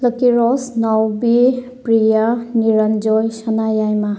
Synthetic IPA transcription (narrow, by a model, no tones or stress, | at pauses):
ləkiɾɔsnawbi | pɾijaniɾand͡ʒɔjsanajajma